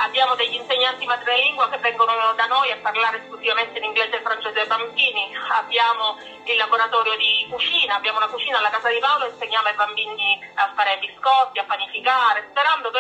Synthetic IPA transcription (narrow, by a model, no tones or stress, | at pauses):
abːjaːmod̪eʎːinseɲːant̪imat̪ɾineliŋɡwakevːɛŋɡonod̪anojapːarlaːɾeskluzivament̪einiŋɡlɛːzelfɾant͡ʃɛːzeebambiːniabːjaːmo | ilːaɡoɾat̪ɔːɾjod̪ikut͡ʃiːnaːbjaːmounakut͡ʃiːnalːakaːzad̪ipawloinseɲːaːmoaibambiːɲiafːaːɾebiskɔt̪ːiapːanifikaːɾespeɾand̪oke